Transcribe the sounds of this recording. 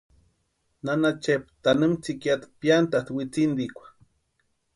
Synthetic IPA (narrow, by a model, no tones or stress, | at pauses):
nanat͡ʃep̚t̪anɨmt͡sikjat̪pjant̪at̪wit͡sind̪ikʷḁ